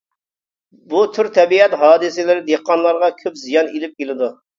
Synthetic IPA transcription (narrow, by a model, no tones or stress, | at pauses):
but̪ʰyɾt̪ʰɛbiɛt̪ɦɑːd̪ɨsɪlɪɾɪd̪eqːɑnlˠɑɾʁɑkʲʰøpzijɑnilɪp̚kʲelɪd̪u